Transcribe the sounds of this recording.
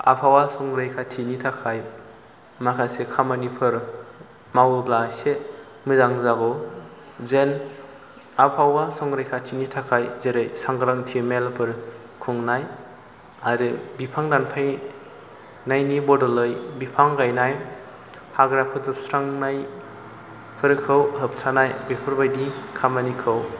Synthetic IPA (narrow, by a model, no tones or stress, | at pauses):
a̰pʰawasɔŋɾɯjkʰatʰinitʰakʰaj | makʰasekʰamanipʰɯɾ | mawɯblase | mɯzaŋzaɡɔ | zen | apʰawasɔŋɡɾɯjkʰatʰinitʰakʰajzeɾɯjsaŋɡɾaŋtʰimelpʰɯɾ | kʰɯŋnaj | aɾɯbipʰaŋdanpʰaj | najnibɔdɔlɯjbipʰaŋɡajnaj | haɡɾapʰɯzɯp̚sɾaŋnaj | pʰɯɾkʰɯwɦɯp̚tʰanajbepʰɯɾbajdikʰamanikʰɯw